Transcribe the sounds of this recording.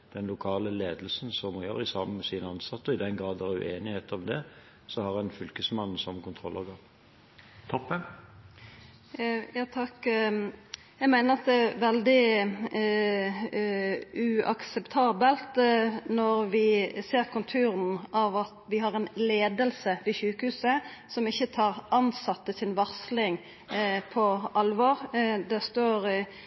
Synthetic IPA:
d̪̥ɛnlʊkʰɑːləleːd̪əlsn̩sɔmɔjøːɾɪsɑməmɛsiːnəɑnsɑt̪ːəɔɪd̪ɛnɡɾɑːd̪æɾʉ̰ʔeːnɪheːt̪ɔmd̪ɛ | sɔhɑʁɛnfʏlkəsmɑn̩ːsɔmkʰʊnt̪ʰʁɔlʔɑʁɡɑːp | t̪ʰɔpːə | jɑːt̪ʰɑkː | jæɪmæɪnəɾɑt̪̚d̪ɛʋɛld̪ɪ | ʉʔɑ̰ksɛpt̪ʰɑːbəlt̪nɔɾʋɪseːɾkʰɔnt̪ʰʉːɾnʔɑʋɑt̪ʋɪɦɑɾɛnleːd̪əlsəʋɪçʉːkəhʉːsəsɔmɪçːət̪ʰɑːɾʔɑnsɑt̪ːəsɪnʋɑʁslɪŋ | pʰɔɑlːʋoːɾd̪ɛst̪oːɾ

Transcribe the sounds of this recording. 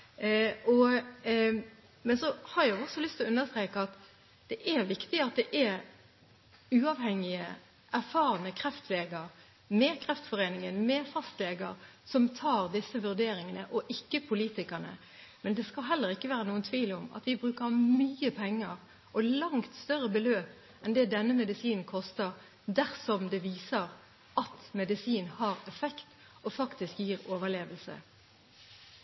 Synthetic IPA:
ɔ | mɛnsɔhɑɾæɔsɔlʏst̪ʰɪlɔʉnːəst̪ɾeːkəɑt̪ | d̪̥ɛʔæɾʋɪkt̪ɪəɑt̪̚d̪ɛʔæɾ | ʉːɑʋhɛŋːɪə | ʔæɾfɑːɾənəkʰɾɛft̪leːɡəɾ | mɛkʰɾɛft̪fɔʁeːnɪŋənmɛfɑst̪leːɡəɾsɔmt̪ʰɑːɾd̪ɪsːəʋʉɾd̪eːɾɪŋənəʔɔʔɪkːəpʰʊliːt̪ɪkənə̰ | mɛnd̪ɛskɑlɦɛlːəʁɪkːəʋæːʁənuːənt̪ʰʋiːlʊmɑ̰t̪ʋɪbʁʉːkəʁmyːəpʰɛŋːəʁ | ʔɔlɑŋt̪st̪œʁəbəløːp | ɛnd̪ɛːd̪ɛnːəmɛd̪ɪsiːnkʰɔst̪əʁ | d̪æʁsɔmd̪ɛʋiːsəʁ | ʔɑt̪mɛd̪ɪsiːnhɑːʁɛfɛkt̪ | ɔfɑkt̪ɪskjiːʁoːʋəʁleːʋəlsə̰

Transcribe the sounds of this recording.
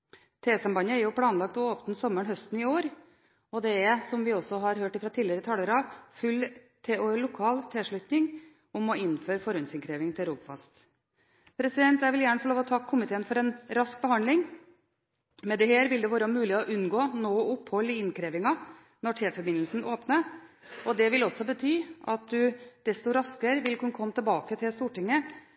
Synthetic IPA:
t̪ʰeːsɑmbɑnəæɾjʊpʰlɑːnlɑk̚t̪ɔoːpnsɔmːəɳɦœst̪n̩ɪoːɾ | ɔd̪ɛɛsɔmʋɪɔsɔɦɑɾhøːʈɪfɾɑːt̪ʰiːlɪəɾət̪ʰɑlːəɾɑʋfʉl | t̪ʰɛɔɭʊkʰɑːlt̪ʰɛːʂɭʉt̪nɪŋ | ʊmɔɪnføːɾfɔɾœnsɪnkʰɾeːʋɪŋt̪ʰɪlɾuːbfɑ̰st̪ | pʰɾɛsɪd̪ɛnt̪jæɪʋɪljæːɳəfɔlɭoːʋɔt̪ʰɑkːkʰːʊmɪt̪ʰeːənfɔɾɛnɾɑsk̚bəhɑnd̪lɪŋ | mɛd̪ɛɦeːɾʋɪld̪ɛʋoːɾəmʉːlɪɔʔʉnːɡoːnoːʊpːhɔlːɪɪnkɾeːʋɪŋɑ | nɔʈʰeːfɔɾbɪnəlsn̩ʔoːpnəɔd̪ɛʋɪlɔsːɔbət̪ʰyːʔɑt̪̚d̪ʉd̪̥ɛst̪ʊɾɑskəɾʋɪlkʉnkʰɔmːət̪ʰɪlbɑːkət̪ʰɪlst̪uːʈɪŋːə

